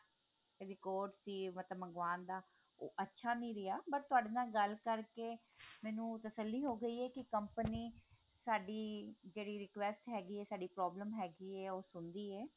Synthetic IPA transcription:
zɪkoːɖsiːmət̪ləbːəŋɡʋaːnd̪aː | o̰ːʔətːʃʰaːnĩːɾɪaːpəɾt̪ʊaːɖeːnaːɡəlkəɾkeː | mɛːnũːt̪əsəlːiːɦoːɡəiːɛːkɪkəmpəniː | saːɖiːd͡ʒeːɽiːɾɪkʋɛsʈɦɛːɡiːɛːsaːɖiːpɾɔːbləmɦɛːɡiːɛːoːsʊnd̪iːɛː

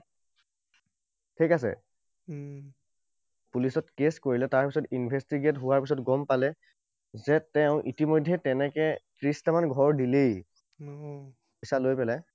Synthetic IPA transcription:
tʰikas̬ɛ̰ | pulisɔtkeskoɹilɛtaɹpisɔtinbʱestiɡetɦʊwaɹpisɔtɡɔmpalɛ | zɛtɛʊ̃ʔitimojdʱːɛtɛnɛkɛtɹistamanɡʱɔɹdilej | isalojpɛlɛ

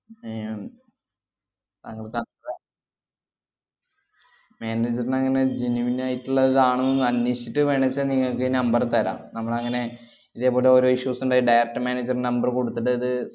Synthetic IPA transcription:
e | t̪ɐŋːɐɭkɐ | maːneːd͡ʑɐrinɐŋːɐne̞d͡ʑinuʋinaːjiʈːuɭːɐiðaːɳunːnɐnːiɕiʈːɨʋeɳɐt͡ɕːɐniŋːɐɭkːenɐmbɐrt̪ɐɾa̰ːmnɐmːɐɭɐŋːɐne̞ | iðe̞ːpːo̞ːleoɾoiʂjusuɳɖaːiɖɐjrɐk̚ʈːɨmaːneːd͡ʑɐrnɐmbɐrko̞ɽut̪ːɐʈːɨɐðɨ

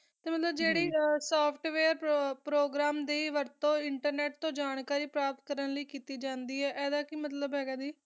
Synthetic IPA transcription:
t̪eːmət̪ləbd͡ʒeːɽiːsaːpʰʈʋeːɾpɾoːɡɾaːmd̪eːiʋəɾt̪õːɪɳʈəɾnɛːʈ̚t̪õːd͡ʒaːɳkaːɾiːpɾaːp̚t̪̚kəɾənləiːkiːt̪iːd͡ʒãːnd̪iːɛːʔɛːd̪aːkɪmət̪ləbɦɛːɡaːd̪iː

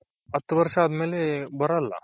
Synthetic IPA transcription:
ət̪ʋəɾʂad̪melebəɾalːa̰

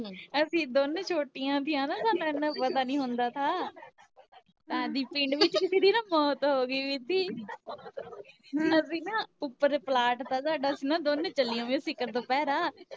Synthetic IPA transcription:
əsĩːd̪oːnt͡ʃʰoːʈijãːt̪ʰijãːnãːsaːnãːnãːpət̪aːnĩːɦʊ̃nd̪aːt̪ʰaː | t̪ãd̪iːpɪ̃ɳɖʋɪt͡ʃkɪsiːd̪iːnãːmɔːt̪ɦoːɡiːʋiːt̪iː | nəiːnãːʊpːəɾplaːʈt̪aːsaːɖaːəsĩːnãːd̪ont͡ʃəlijõːʋẽsɪkəɾt̪oːpɛːɾaː

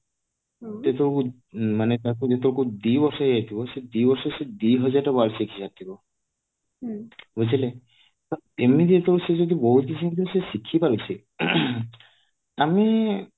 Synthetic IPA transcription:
t̪et̪ɔku | manet̪akud̪et̪ɔkud̪ibɔɾsɔɦeet̪ʰibɔsed̪ibɔɾsɔsed̪iɦɔzatabalsiekʰisat̪ʰːibɔ | bɔzale | ɔemid̪et̪ɔɾsezod̪ibɔɦut̪̚kisiŋt̪usesikʰːipaɾisi | ami

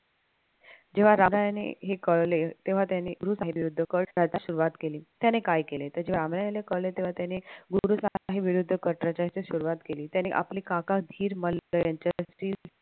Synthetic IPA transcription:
d͡ʑeʋ̤aɾamɾajanḛɦekəɭlet̪eʋ̤at̪janeɡuɾusaɦeʋiɾud̪ʱːəkəɾət̪aɕuɾuʋat̪keliːt̪janekajkelet̪əɾd͡ʑeʋ̤aɾamɾajanekəɭlet̪eʋ̤at̪janeɡuɾusaɦeʋiɾud̪ʱːəkəɾʈɾət͡ɕat͡ɕeɕuɾuʋat̪keliːt̪janeʔa̰pliːkakakd̪ʱiːɾmələjaɲt͡ɕasʈiːl

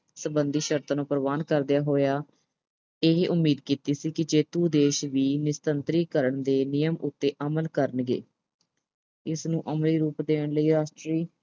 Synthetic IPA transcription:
səbənd̪iːʃəɾt̪aːnõːpəɾʋaːnkəɾd̪ɪjaːɦoːjaː | eɦʔʊmːiːd̪kiːt̪iːsiːkɪd͡ʒeːt̪uːd̪eːʃʋiːnɪst̪ənt̪ɾiːkəɾəɳd̪eːnɪjəmʊt̪ːeːʔəməlkəɾənɡḛː | ɪsnũːʔəmliːɾuːpd̪eːəɳləiːɾaːʃʈɾiː

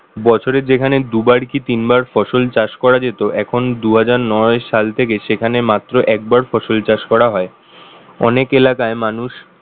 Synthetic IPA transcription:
bɔt͡ɕʰoɾed͡ʑekʰaned̪ubaɾkit̪inbaɾfɔʃolt͡ɕaʃkɔɾad͡ʑet̪oʔɛkʰond̪uɦad͡ʑaɾnɔeʃalt̪ʰekeʃekʰanemat̪ːɾoʔɛk̚baɾfɔʃolt͡ɕaʃkɔɾaɦɔe | ɔ̰nekelakaemanuʃ

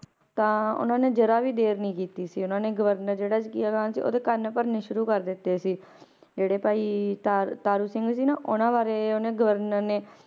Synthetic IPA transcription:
t̪ãːʊ̰nãːneːd͡ʒəɾaːʋiːd̪eːɾnəĩːkiːt̪iːsiːʊnãːneːɡəʋəɾnəɾd͡ʒeːɽaːd͡ʒkiaːkaːnsḭːʔo̰ːd̪eːkənpəɾneːʃʊɾuːkəɾd̪ɪt̪ːeːsiː | d͡ʒeːɽeːpaːiːt̪aːt̪aːɾuːsɪŋɡsiːnaːʔʊnãːʋaːɾeːonẽːɡəʋəɾnəɾneː

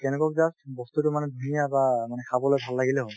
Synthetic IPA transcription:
kɛnɛkɔk̚zasbɔst̪uʈumanɛd̪ʱunijabamanɛkʰabɔlojbʱalːaɡileɦɔn

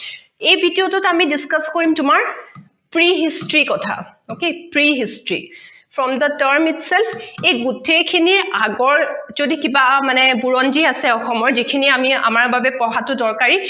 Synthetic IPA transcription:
ejbʱidiotɔtamidiskaskoɹimtʊmaɹ | pɹiɦistɹikɔtʰa̰okepɹiɦistɹḭ | fʰɹɔmdətəɹmitsɛlfʰejɡutʰekʰiniɹaɡɔɹz̥odikibamanɛbuɹɔnd͡ʒiasɛɔxɔmɔɹzikʰiniamia̰maɹbabɛpɔɦatʊdɔɹkaɹi

